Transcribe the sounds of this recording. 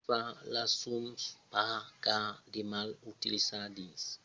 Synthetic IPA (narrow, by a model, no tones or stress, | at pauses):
falasumspakademalutilisadis